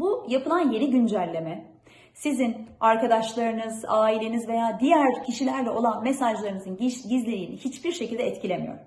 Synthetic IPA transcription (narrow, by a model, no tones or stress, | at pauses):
bujapʰɯlˠanje̞ɾiɟynd͡ʒælʲːe̞mɛ | sizinaɾkad̪aʃlˠaɾɯnɯzaːilʲe̞nizve̞jaːd̪ijæɾcʰiʃilʲæɾlʲɛʔo̞lˠanmesaʒlˠaɾɯnɯzɯnɟizlʲeɾiːnihit͡ʃbiɾʃecʰilʲd̪ɛɛt̪cʰilʲe̞mijo̞̰ɾ